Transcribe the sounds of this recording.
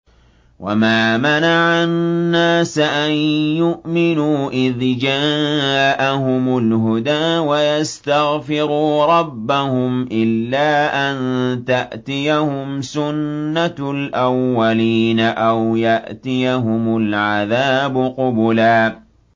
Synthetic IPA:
wʔa̰maːmanaʕanːaːsaʔanjʊʔmɪnuːʔɪðd͡ʒaːʔahʊmʊlɦʊd̪aːwajast̪aɣfɪɾuːɾˤɑbːahʊmʔɪlːaːʔant̪aʔt̪ɪjahʊmsʊnːalʔawːaliːnaʔawjaʔt̪ɪjaɦʊmʊlʕaðaːbʊqʊbʊlaː

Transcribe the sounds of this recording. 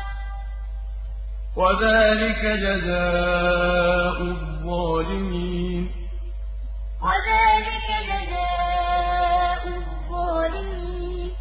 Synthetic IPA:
waðaːlɪkad͡ʒazaː | ʔʊ | ðˤɑːlɪmiːn | waðaːlɪkad͡ʒazaː | ʔʊ | ðˤɑːlɪmiː | n

